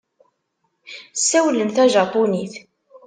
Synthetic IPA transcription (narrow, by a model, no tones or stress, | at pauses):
sːæwlənθæʒɑpuniθ